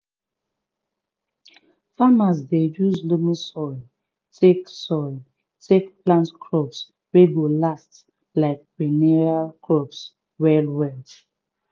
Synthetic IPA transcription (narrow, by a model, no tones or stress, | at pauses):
famazdejuzlumisɔɪl | tʰeksɔɪl | tʰekplãntkʰɹɔps | weɡolast | laɪk̚pinɛɹalkʰɹɔps | wɛlwɛl